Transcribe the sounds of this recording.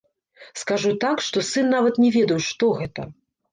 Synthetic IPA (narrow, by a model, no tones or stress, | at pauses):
skaʐut̪akʂt̪ɔsɨnːavɐt̪nʲɛvʲɛd̪ɐjuʂt̪ɔɣɛt̪ɐ̰